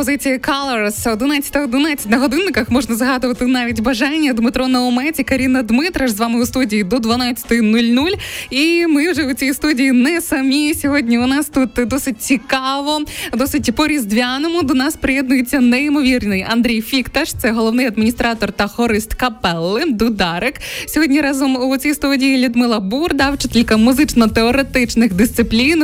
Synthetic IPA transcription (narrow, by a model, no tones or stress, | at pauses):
pɔzɪt͡sʲijikalˠɐɾsɔd̪ɪnaɐ̥t̪ɐɔd̪ɪnat͡sʲɐ̥tʲnɐɦɔd̪ɪnːɪkɐxmɔʒnɐzɦɑd̪ʊʋɐt̪ɪnɑʋʲitʲbɐʒɑnʲːɐd̪mɨt̪ɾɔnɐɔmɛt͡sʲikɐɾʲinːɐd̪mɪt̪ɾɐʃzʋɑmɨʊst̪udʲijid̪ɔd̪ʋɐnat͡sʲɐ̥t̪ɪnulʲnulʲimɪwʐɛʊt͡sʲijist̪udʲijinɛsɐmʲisʲɔɦɔdʲnʲiʊnɑst̪ut̪d̪ɔsɪt̚ʲt͡sʲikɑʋɔd̪ɔsɪtʲpɔɾʲizd̪ʋʲanɔmʊd̪ɔnɑspɾejɛd̪̚nʊjet͡sʲːɐnɛimɔʋʲirnʲɪjɐnd̪ɾʲijfʲikt̪ɐʂt̪sɛɦɔlˠɔʋnɪjɐd̪minʲist̪ɾɑt̪ɔrt̪ɐhɔɾɪst̪kɐpɛlˠːɪd̪ʊd̪ɑɾɪksʲɔɦɔdʲnʲiɾɑzɔmut͡sʲijst̪udʲijilʲud̪mɪlˠɐburd̪ɑwt͡ʃɪt̪ilʲkɐmʊzɪt͡ʃnɔt̪eɔɾet̪ɪt͡ʃnɪxd̪ɪst̪sɪplʲin